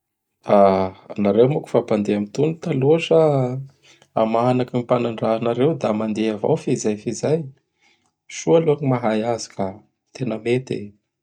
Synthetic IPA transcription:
anaɾewmuku̥fapand̪eamit̪unut̪aloʂə | amaɦanakimipanaɳɖ͡ʐaɦanaɾewd̪amand̪eava̰wfizajfizaj | ʃualuaɲimaɦajazi̥ka | t̪enəmet̪ḛ

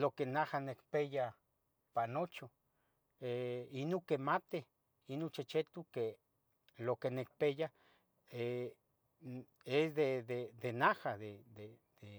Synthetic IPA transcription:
lokenahanekpeja | panot͡ʃo | einukemat̪e | inut͡ʃet͡ʃet̪uke | lokenek̚peja | e | esd̪eðed̪enahaðed̪e | d̪̥e

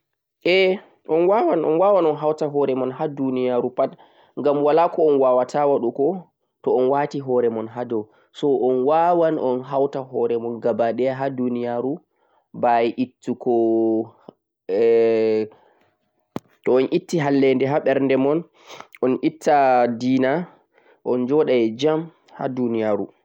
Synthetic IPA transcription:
ʔɛ | ʔɔnwawanɔ̰nwawanɔnɦawtaɦɔɾɛmɔnhadunijaɾupat | ŋɡamwalakɔɔnwawatawaɗukɔ | tɔɔnwaːtiɦɔɾɛmɔnɦadɔw | sɔʔɔnwawanʔɔnɦawtaɦɔɾɛmɔnɡabaɗɛɦadunijaɾu | bajʔitːukɔ | tɔɔnʔitːiɦalːɛndɛɦaɓɛɾndɛmɔn | ɔnʔitʰːadiːna | ʔɔnd͡ʒɔɗajɛd͡ʒam | ha̰dunijaɾu

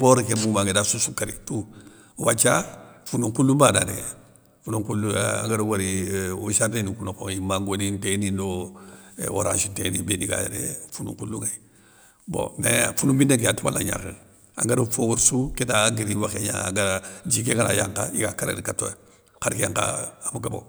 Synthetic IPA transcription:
boɾikemumaŋɡedasusukaɾitu | wat͡ʃafunuŋkulːumbanade | funũŋkulua̰ŋɡaɾowaɾiosadenikunokoimaŋɡonĩntenĩndo̰ | wo̰ɾãnsitenibediɡa̰j̰ɾḛfunṵŋkulːuŋai | bo̰mḛfunumbindaŋkejatuwa̰la̰ɲa̰ke | a̰ŋɡaɾufowuɾsuketaɡiɾiwaxeɲa̰a̰ŋɡad͡ʒikekana̰jaŋkaikakaɾḛnikato | kaɾikaŋka̰amuɡabo̰

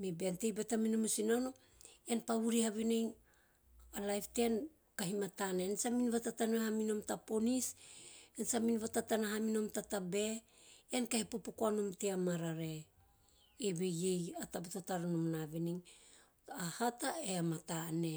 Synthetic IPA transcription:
mebeantejbetaminomusinano | eanpaβuɾihaβineŋ | alajftean | kaɦimatanensaminβatatanehamino̞mtapo̞nisensaminβatatanaɦamino̞mtatabe̞ | ankahipopokoanomteamaɾaɾe̞ | eβejejatabetataɾanomnaviniŋ | ahataeamatane̞

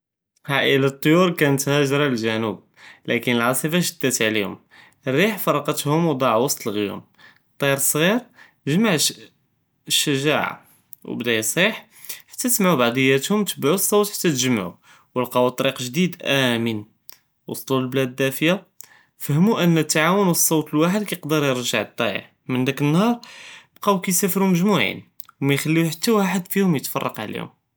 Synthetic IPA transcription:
haʔəlat̪ˤːjuɾkænət̪hæʒɾˤɑlʒænub̚ | lʔækənəlʕɑsˤifaʒəd̪̥ːæt̪ʕlihʊ̰m | ərːiħfɑɾˤɑqɑt̪hʊmwd̪ˤɑʕwɑsˤt̪ˤəlɣjṵm | t̪ˤːiɾsˤɣiɾ | ʒəmaʕ | ʃːəʒaʕa̰ | w̰bd̪æjæsˤiħ | ħḁt̪ːæt̪smaʕubaʕd̪ˤəjːæt̪hʊmt̪əbʕusˤːɑwt̪ħḁt̪ːæt̪ʒəmʕṵ | wəlqɑwt̪ˤːɑɾiqʒd̪id̪ʔæmən | wɑsˤlulblæd̪ːæfja | fəhmuʔənːət̪ːaʕawənwəsˤːɑwt̪əlwaħəd̪̚kæjəqd̪əɾjəɾʒəʕt̪ˤːɑjə̰ʕ | mənd̪ækənːhɑɾˤb̥qɑwkæjsæfəɾuməʒmuʕḭn | wmæjxælːiwħat̪ːæwaħəd̪fihʊmjət̪fɑ̰rˤːɑ̰qʕlḭhʊ̰m

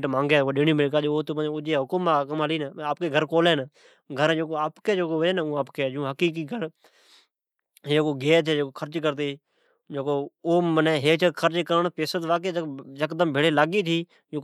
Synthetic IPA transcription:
ʈmãːŋɡeːoːɗɪɳiːmɪːkaːd͡ʒoːoːt̪oəʊd͡ʒeːɦʊkʊmaːkəməliːnːaːp̚keːɡʱəɾkoːleːn | ɡʱəɾd͡ʒõːkoːaːpkeːd͡ʒoːkoːʋəeːnːũːaːpkeːd͡ʒũːɦəkiːk̬iːɡʱəɾ | ɦkoːɡeːt̪ʰeːd͡ʒoːkoːkʰəɾt͡ʃkəɾt̪eː | d͡ʒoːkoːoːməneːɦeːt͡ʃəkʰəɾt͡ʃkəɾəɳpeːsət̪ʋaːk̬eːd͡ʒəd͡ʒəkd̪əmbʱɪɽeːlaːɡiːt̪ʰiː | d͡ʒũː

